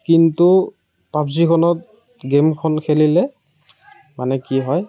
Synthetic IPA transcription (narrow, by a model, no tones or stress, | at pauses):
kintu | papsikʰɔnɔt̚ | ɡemkʰɔnkʰelilɛ | manɛkiɦɔj